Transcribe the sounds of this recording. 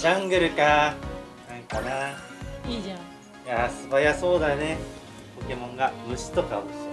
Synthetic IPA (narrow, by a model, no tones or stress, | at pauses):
d͡ʑãŋɡɯ̟ɾɯ̟ka | nãŋkana | iã | jasɨbajaso̞ːd̪ajone | po̞kemõ̞ŋɡamɯ̟ɕi̥t̪o̞ka̰os